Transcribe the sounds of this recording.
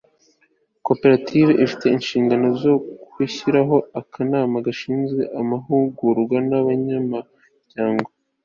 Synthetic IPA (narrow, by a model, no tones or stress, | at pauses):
ko̞pe̞ɾatʰiveʔifite̞inʃiːŋɡano̞zo̞kwiçiɾaɦo̞akʰanaːmaɡaʃiːnzɡwe̞ʔamaɦuɡuɾɡwanaβaɲama | ɟ̥aːŋɡo